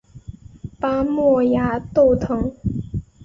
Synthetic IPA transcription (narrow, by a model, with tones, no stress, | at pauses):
pa˥mwɔ˥˩ja˧˥t̪o˥˩ʊt̪ʰɤ˧˥ŋ